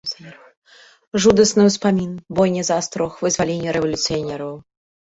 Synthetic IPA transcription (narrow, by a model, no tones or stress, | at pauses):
ʐud̪ɐsnɨwspamʲinbɔjnʲɛzast̪ɾɔxvɨzvalʲenʲːɐɾɛvɐlʲut̪sɨjanʲɛɾɐw